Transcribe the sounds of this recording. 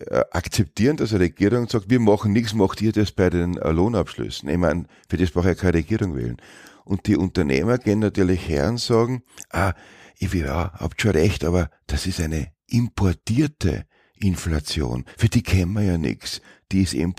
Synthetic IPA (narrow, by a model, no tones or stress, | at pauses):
ʔakt͡sɛp̚tiːɐənd̥asɛɐʁeɡ̥iːʁʊŋsɑːk̚tviːɐmɑχn̩nɪksmɑxtiːɐd̥ɑsb̥æɪdenloːnapʃlʏ̰sn̩ɪ̰çmæ̰ɪn | fyːɐdespʁɑʊxɛɐkʰanʁeɡ̥iːʁʊŋvḛːlnʔʊnt̚d̥iʔʊ̃ntɐnḛːmɐɡ̥eːənːatyːɐlɪçhɛ̰ːɐnsɑːɡŋ̩ʔaːʔivia̰hɑ̰pʃoʁɛçtɑːβɐd̥asɪstæɪnəʔɪmpʰɔɐtiːɐtə̰ | ʔɪnflat͡sjo̰ːnfyːɐd̥iːkʰɛnmɐjɑːnɪ̰ks | d̥iːɪsɪ̰m